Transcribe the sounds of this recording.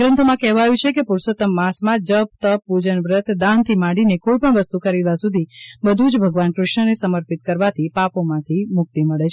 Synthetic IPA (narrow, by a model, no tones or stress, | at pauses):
ɾə̃nt̪ʰomãkɛɦʋajũt͡ʃʰekepuɾsət̪əmːãsmãd͡ʒəp̚t̪əpud͡ʒənʋɾət̪d̪ãnt̪ʰimaɽinekoipəɳʋəst̪ukəɾiɾʋasud̪ʱibəd̪ʱũd͡ʒbʱəɡʋankɾɪʃɳənesəməɾpit̪̚kəɾʋat̪ʰipapomãt̪ʰimʊk̚t̪iməɭet͡ʃʰ